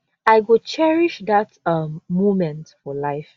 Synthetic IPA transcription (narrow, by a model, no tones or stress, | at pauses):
aɪɡʊt͡ʃɛɹiʃðatʌmːomɛ̃ntfɔlaɪf